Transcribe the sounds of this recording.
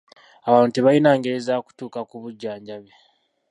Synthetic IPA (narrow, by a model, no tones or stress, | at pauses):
aβaːnuteβajinaːŋɡeezaːku̥tuːkakuβuɟːaːɲɟaβe